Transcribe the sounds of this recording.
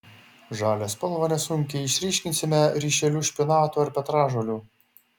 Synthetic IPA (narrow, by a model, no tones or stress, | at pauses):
ʒɑːlʲeːspɐlˠʋɐnʲɛsʊŋʲkʲɛɪʃʲɾʲiːʃʲkʲɪnʲsʲɪmʲɛɾʲiːʃʲɛlʲuːʃʲpʲɪnɑːt̪uːɐɾpʲɛt̪ɾɑːʒoːlʲuː